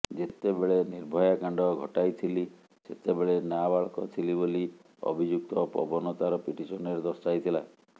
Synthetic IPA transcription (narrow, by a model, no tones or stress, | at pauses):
d͡ʒet̪ebeɭeniɾbʱɔjakaɳɖɔɡʱɔʈajt̪ʰili | set̪ebeɭenabaɭɔkɔt̪ʰiliboli | ɔ̰bʱid͡ʒuk̚t̪ɔpɔ̰bɔnɔt̪aɾɔpiʈisɔneɾd̪ɔsʈajt̪ʰila̰e